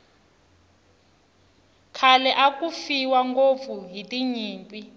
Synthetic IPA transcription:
kʰalɛʔak̬ʼufiwaŋɡob̪fuɦitʼiɲiːmpʼi

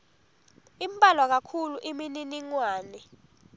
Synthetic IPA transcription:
imbʼalwak̬akʰuluʔimininiŋwaːnɛ

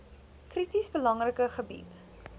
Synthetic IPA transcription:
kritisbəlɐŋrəkəχəbḭt

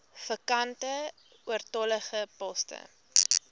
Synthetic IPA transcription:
fəkɐntə | uərtɔləχəpɔstə̰

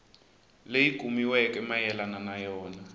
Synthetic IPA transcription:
lejiɡ̥ʱumiwɛkɛmajɛlananajɔːna

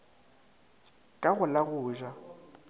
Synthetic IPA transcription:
kʼaɣʊlaɣʊːʒwa

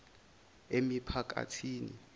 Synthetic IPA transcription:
emipʰak̬ʼa̰tʰiːnḭ

